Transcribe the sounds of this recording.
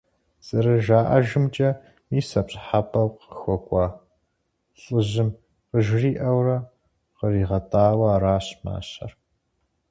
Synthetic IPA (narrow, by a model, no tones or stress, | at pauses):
z̥ʼɨɾɐʒaːʔɐʒɪmt͡ʃʼɐ | miːsɐpɕʼħapʰɐwqəxʷɔkʷʼɑ | ɬʼɨʑɪm | qəʒriːʔɐwrɐ | qəriːʁɐtʰʼaːwɐɾaːɕma̰ːɕɐ̰r